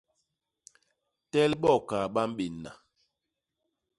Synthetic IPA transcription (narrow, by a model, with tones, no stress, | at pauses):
tɛ˦lɓɔ˦˨ka˨ɓa˦m˦ɓi˨nːa̰˨